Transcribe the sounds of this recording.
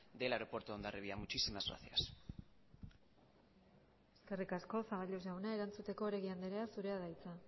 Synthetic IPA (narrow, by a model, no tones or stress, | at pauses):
d̪elaeɾopo̞ɾt̪oond̪areβiamut͡ʃisimazɣɾa̰θia̰s | e̞ske̞rikasko̞saɣaʎosawnae̞ɾant͡sut̪e̞ko̞ɾe̞ɣiand̪eɾeasuɾe̞að̞ajt͡sa